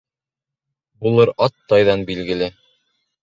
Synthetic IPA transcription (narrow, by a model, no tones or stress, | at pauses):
bulˠɤɾɑt̪ːɑjðɑnbilɡɘ̆lɘ